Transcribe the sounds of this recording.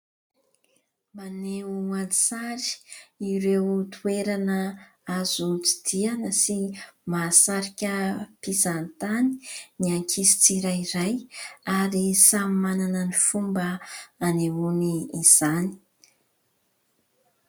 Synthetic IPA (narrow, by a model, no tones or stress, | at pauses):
maneuaisaɾi̥iɾewt̪ʰueɾanə | azut͡si̥d̪̥ianəsimasaɾikʲəpizant̪ani̥niaŋkʰisi̥t͡siɾajiɾajaɾisamimananənifumbəaneuniːz̥ani̥